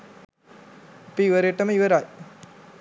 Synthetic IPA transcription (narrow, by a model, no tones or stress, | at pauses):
ɐpiːʋɐɾeʈːəmiʋɐɾaj